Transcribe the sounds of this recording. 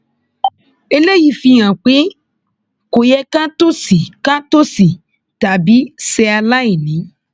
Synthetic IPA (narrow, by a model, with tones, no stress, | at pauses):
e˧le˦ji˨˧˦fi˧j̃ã˨k͡pe˨˦ | ko˨jɛ˧kã˦to˦si˨kã˦to˦si˨ | ta˨bi˨˦sɛ˧a˧la˦i˦˨nĩ˨˦